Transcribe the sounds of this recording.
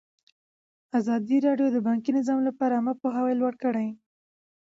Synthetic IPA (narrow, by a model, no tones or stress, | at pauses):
azɑd̪iɾɑɖjod̪əbɑŋkinɪzɑmlapɑɾaːmapoɦawajlwaɽkəɽaj